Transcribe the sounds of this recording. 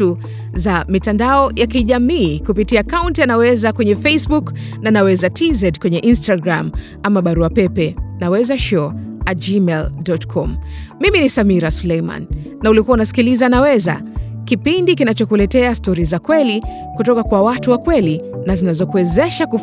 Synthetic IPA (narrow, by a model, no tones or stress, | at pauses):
u | zamitandaɔjakiʄamiːkupitiaːkauntianawɛzakwɛɲɛfesbuknanawɛzatʰizɛtkwɛɲɛʔinstaɡɾam | amaɓaɾuapɛpɛnawɛzaʃɔatd͡ʒimɛldɔtkʰɔmːiminisamiɾasulɛjma̰nː | aulikuwaunasi̥kilizanawɛza̰ | kipindikinat͡ʃɔkulɛtɛastɔɾizakwɛli | kutɔkakwawatuwakwɛlinazinazɔkuwɛzɛʃaku